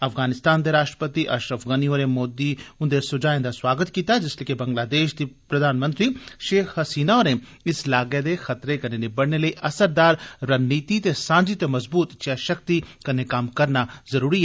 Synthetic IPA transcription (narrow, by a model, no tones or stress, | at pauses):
ɐfɣaːnɪst̪aːnd̪eɾaːʃʈɾəpət̪iʔɐ̰ʃɾəfɣanioːɾemoːd̪iʊ̃nd̪esʊd͡ʒaːẽnd̪aswaːɡət̪kiːt̪ad͡ʒɪsliːkebɐ̃ŋɡlaːd̪eːʃd̪ipɾɐd̪aːnmə̃nt̪ɾiʃeːxɦɐsiːnaɔːɾẽ | ɪslaːɡed̪exɐt̪ɾekɐnenibɐɽnelɐiʔɐsəɾd̪aːɾɾɐnːiːt̪it̪esãːnd͡ʒit̪emɐzbuːt̪t͡ʃaʃɐk̚t̪ikɐnekaːmkɐɾnazɐɾuːɾiɦɛ